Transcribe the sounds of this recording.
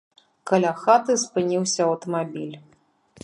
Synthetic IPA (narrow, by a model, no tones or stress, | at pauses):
kɐlʲaxat̪ɨspɨnʲiwsʲɐɐwt̪ɐmabʲilʲ